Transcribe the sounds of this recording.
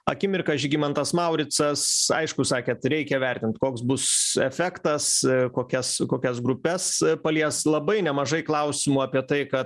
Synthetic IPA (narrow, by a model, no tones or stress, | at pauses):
ɐ̰kʲɪmʲɪrkɐʒʲɪɡʲimɐnt̪ɐsmɐʊɾʲɪt͡s̪ɐsɐ̰ɪʃkʊsɑːkʲeːt̪ɾʲɛɪkʲɛʋʲɛɾʲt̪ʲɪnt̪koːksbʊsɛfʲɛkt̪ɐskoːkʲɛskoːkʲɛsɡɾʊpʲɛspɐlʲiɛslˠɐbɐɪnʲɛmɐʒɐɪklˠɐʊsʲɪmuːɑːpʲiɛt̪ɐɪkɐt